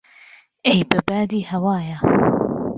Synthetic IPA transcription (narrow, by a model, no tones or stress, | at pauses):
ʔejbɨbaːd̪iːhɐwaːja